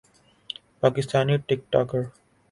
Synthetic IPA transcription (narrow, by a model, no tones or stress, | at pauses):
paːkɪst̪aːniːʈɪk̚ʈɔːkəɾ